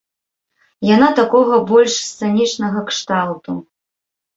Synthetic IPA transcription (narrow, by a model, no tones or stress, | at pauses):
janat̪akɔɣɐbɔlʲʂst̪sɛnʲit͡ʂnɐɣɐkʂt̪awt̪u